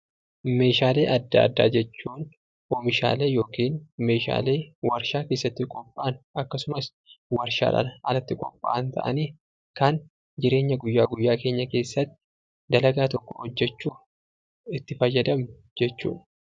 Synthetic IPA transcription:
me̞ːʃaːle̞ːʔɐd̪ːa̰ːd̪ːa̰ːd͡ʒɛt͡ʃːuːn | ʔoːmɪʃa̰ːleːjo̞ːkiːnme̞ːʃa̰ːle̞ːwɐɾʃaːke̞ːsːɐt̪ːɪkʼɔpʼːaːnʔɐkːɐsʊmɐs | wɐɾʃa̰ːᶑɐ̰nɐlɐt̪ːɪkʼɔ̰pʼːa̰ʔɐnt̪ʰɐ̰ʔɐ̰niː | kɐn | d͡ʒɪɾe̞ːɲːɐɡʊjːaːɡʊjːaːke̞ːɲːɐke̞ːsːɐt̪ːɪ̥ | d̪ɐlɐɡaːt̪ɔkːɔ̥̰hɔd͡ʒːɛt͡ʃːuː | ɪt̪ːɪfɐjɐd̪ɐmnʊ | d͡ʒɛt͡ʃːṵːᶑ

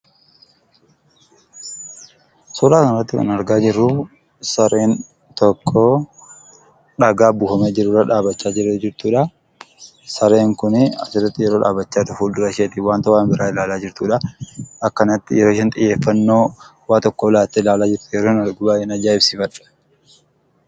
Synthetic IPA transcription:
sɔɾaːkɐnɐrɐt̪ːɪkɐ̰nɐɾɡaːd͡ʒɪrːʊ | sɐɾe̞ːn | t̪ɔkʰːo | ᶑɐɡaːbʊːhɐmed͡ʒɪrːʊɾɐᶑaːbɐt͡ʃːaːd͡ʒɪɾːed͡ʒɪɾt̪uːᶑɐ | sɐɾe̞ːŋkʊnɪɐ̰sɪrːɐt̪ːɪjɛɾo̞ːᶑa̰ːbɐt͡ʃːaːt̪ʊfuːd̪ʊɾɐʃeːt̪iwaːnt̪ɐwaːnbɪɾaːɪlaːlaːd͡ʒɪɾt̪uːᶑɐɐkːɐnɐt̪ːɪjɛɾoʃɛnt̪ʼɪjːe̞ːfːɐnːo̞ːwaːt̪ɔkːɔlaːt̪ːeɪlaːlaːd͡ʒɪɾt̪ʊjɛɾoːnɐɡʊbaːɛnɐd͡ʒaːɪbsɪfɐᶑɐ̥

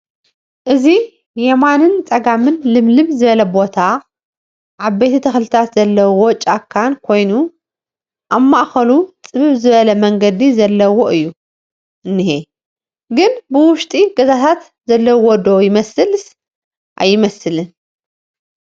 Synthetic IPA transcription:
ʔɨzi | jemanɨnt͡sʼɐɡamɨnlɨmlɨmzɨβɐlɐbo̞t̪ʰa | ʕaβbejt̪ʰɐt̪ʰɐxlɨt̪ʰat̪zɐlːɐwo̞t͡ʃʼakʰːankʰo̞jnu | ʔamːaʔxɐlut͡sʼɨβɨβzɨβɐlɐmɐŋɡɐd̪izɐlːɐwoʔɨjːu | ʔɨnːɨhe | ɡɨnbɨwʊʃt̪ʼiɡɐzat̪ʰat̪ | zɐlːɐwod̪o̞jɪmɐsɨlɨs | ʔa̰jːɪmɐsɨlɨn

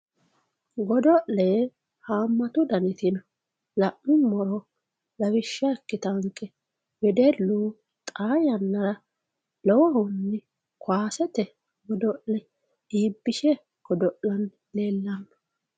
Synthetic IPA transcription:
ɡɔd̪ɔʔleː | haːmːɐt̪ʊd̪ɐnɪt̪ɪn | lɐʔmʊmɔɾɔ | lɐwɪʃːɐɛkːɪt̪ɐŋkʼːɛ | bɛd̪ɛluː | t̪ʼaːjɐnːɐɾɐ | lɔwɔhʊnːɪ | kaːsɛt̪ɛ | ɡɔd̪ɔʔlɛ | iːbːɪʃɛ | ɡ̥ɔd̪ɔʔɐn | leːlːɐmː

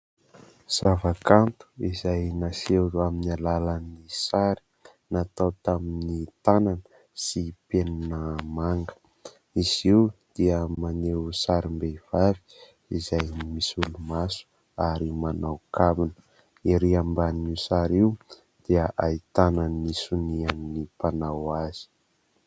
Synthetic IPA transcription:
z̥avakant̪u̥izajnaseɾuaminalalanisaɾi̥ | nat̪awt̪aminit̪ananə̥ | sipenunəmaŋɡə̥ | iziwd̪̥iəmanewsaɾimbeiv̥avi̥ | izajmisulumasu̥ | aɾimanawkavinə | iɾiambaniusaɾiw | d̪̥iəʔait̪ananːisuniannipanawaz̥i̥

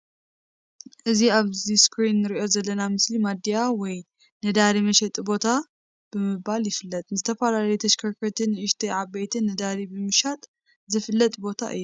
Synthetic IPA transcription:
ʔɨziaβziskɾinːɨɾiʔo̞zɐlːɐnamɨslimad̪ijawɔj | nɨd̪aɾimɐʃɐt̪ʼbo̞t̪ʰa | b̥ɨmɨbaljɪfɨlːɐt̪ʼnɨzɨt̪ʰɐfalalɐjut̪ʰɐʃkʰɐɾkʰɐt̪ʰɨnʔɨʃt̪ʰiʕabejt̪ʰɨnːɨd̪aɾibɨmɨʃat̪ʼ | zɨfɨlːɐt̪ʼbo̞t̪ʰa̰ʔɨ̰jːu

